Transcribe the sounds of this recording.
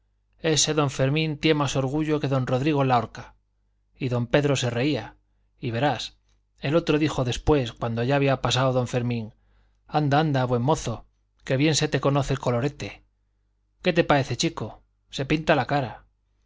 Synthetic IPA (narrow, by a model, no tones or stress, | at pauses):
e̞se̞ðo̞ɱfe̞ɾmĩnt̪je̞maso̞ɾɣ̞uʝo̞ke̞ðo̞nro̞ðɾiɣ̞o̞lao̞ɾka | iðo̞mpe̞ðɾo̞se̞re̞ia | iβ̞e̞ɾas | e̞lo̞t̪ɾo̞ðixo̞ðe̞spwe̞skwand̪o̞ʝaːβiapasaoðo̞ɱfe̞ɾmĩŋ | and̪aand̪aβwe̞mːo̞θo̞ | ke̞βje̞nse̞t̪e̞ko̞no̞θelko̞lo̞ɾe̞t̪e̞ | ke̞t̪e̞pae̞θet͡ʃiko | se̞pint̪alakaɾa